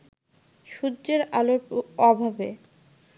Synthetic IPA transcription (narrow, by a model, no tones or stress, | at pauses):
ʃudːʑeɾaloɾɔbʱabe